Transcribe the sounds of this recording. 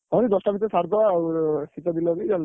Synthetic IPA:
ɔnid̪ɔsʈabit̪esaɾd̪ɔawsit̪ad̪ilɔbid͡ʒan

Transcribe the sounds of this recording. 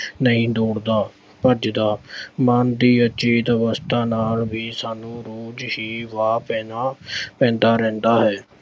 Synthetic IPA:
nəɦĩːd̪oːɽd̪aː | pəɾd͡ʒd̪aːmaːnd̪iːət͡ʃiːt̪əʋəst̪ʰaːnaːlbiːsaːnũːɾoːd͡ʒhiːʋaːpɛːnapɛ̃ːnd̪aːɾɛ̃ːnd̪aːɦɛː

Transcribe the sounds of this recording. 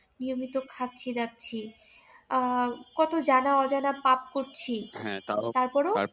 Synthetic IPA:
niomit̪okʰat̪̚ːt͡ɕʰid̪ak̚t͡ɕʰi | kɔt̪od͡ʑanaɔd͡ʑanapap̚koɾt͡ɕʰĩ | t̪aɾpɔɾo

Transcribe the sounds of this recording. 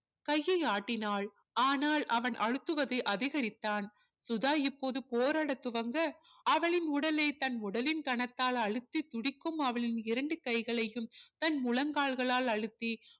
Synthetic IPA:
kɐjːɐɪaːʈːɪnaːɭ | aːnaːɭɐʋɐnʔɐɻɯt̪ːɯʋɐðɐɪʔɐðɪɣɐɾɪt̪ːaːn | sʊðaːɪpːoːðɯpoːɾaːɽɐt̪ːʊʋɐŋɡɐ | ɐʋɐɭɪnʊɽɐlɐɪt̪ɐnʊɽɐlɪnkɐɳɐt̪ːaːlɐɻɯt̪ːit̪ʊɽɪkːɯmɐʋɐɭɪnɪɾɐɳɖɯkɐɪɣɐɭɐjɯmt̪ɐnmʊlɐŋɡaːɭɣɐɭaːlɐɻɯt̪ːi

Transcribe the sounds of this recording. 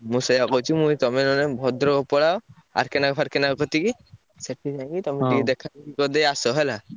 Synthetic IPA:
musɔjakɔwt͡ʃʰimũjt̪ɔmenɔnebʱɔd̪ɾɔkɔpɔɽao | a̰ɾkɛnakpʰaɾkɛnakɔt̪iki | seʈʰːid͡ʒãŋɡit̪ɔmeʈikid̪ɛkʰat̪ikikɔd̪ejasɔɦɔla

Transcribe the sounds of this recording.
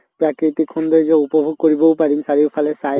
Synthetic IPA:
pɹakɹit̪ikʰːɔnd̪ɔzɛupɔbʱuɡ̚koɹibɔwpaɹimsaɹiwpʰalɛsa

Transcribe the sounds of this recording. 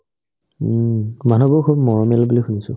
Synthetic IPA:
manɔbɔkʰubmɔɹɔmɛlɔbulixunisʊ

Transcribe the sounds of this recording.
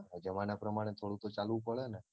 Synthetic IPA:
d͡ʒəmanapɾəmaɽ̃et̪ʰoɽut̪ot͡ʃalʋũpəɭene

